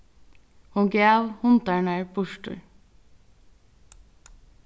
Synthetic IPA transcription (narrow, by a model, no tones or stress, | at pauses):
hʊnɡeːʋhʊnt̪æɳæɹbʊʃʈʉ̰